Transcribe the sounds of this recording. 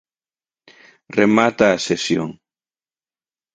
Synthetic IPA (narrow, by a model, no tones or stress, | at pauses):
remat̪aːsesjo̰ŋ